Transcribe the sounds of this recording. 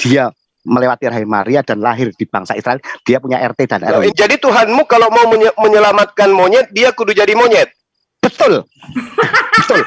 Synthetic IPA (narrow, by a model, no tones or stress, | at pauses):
d̥ia | məlewat̪iɾaɦima̰ɾiadanlaɦɪrd̥ib̥aŋsa̰isɾaɛld̥iapuɲaʔɛ̰rt̪edanɛ̰rd͡ʒadit̪uɦanmukalomauməɲəlamat̪̚kanmoɲɛt̪̚diakudud͡ʒadimoɲɛt̪̚ | b̥ət̪ʊl | bət̪ʊl